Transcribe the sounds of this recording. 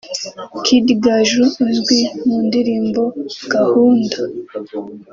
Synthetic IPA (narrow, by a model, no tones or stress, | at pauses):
kʰidiɡaʒuzɡwimuːndiɾiːmbo̞ɡ̥ahuːnda